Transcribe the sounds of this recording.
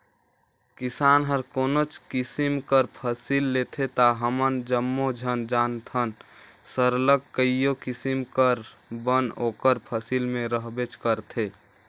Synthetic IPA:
kisanɦəɾkonot͡ʃkisimkəɾpʰəsilːet̪ʰet̪aɦəmənd͡ʒəmːod͡ʒʱənd͡ʒant̪ʰən | səɾləkkːəijokisimkəɾbənoːkəɾpʰəsilmẽɾəɦbet͡ʃkəɾt̪ʰe

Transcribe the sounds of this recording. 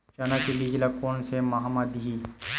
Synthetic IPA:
t͡ʃanakibiːd͡ʒlakoːnsemaɦamad̪iiː

